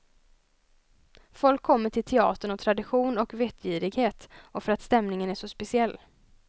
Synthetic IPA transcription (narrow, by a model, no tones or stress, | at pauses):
fɔlkʰːɔmːəʈʰɪlt̪ʰɛɑ̰ːt̪əɳɔt̪ʰɾad̪ɪɧuːnɔkvet̪ʰjiːɾɪɡheːt̪ɔfœɾat̪st̪ɛmnɪŋənæʂɔspɛsɪɛlː